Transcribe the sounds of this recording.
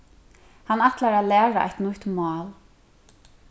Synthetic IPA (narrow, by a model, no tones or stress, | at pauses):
hanːat̪laɹalɛːɹaʔa̰jt̪nʊht̪mɑːl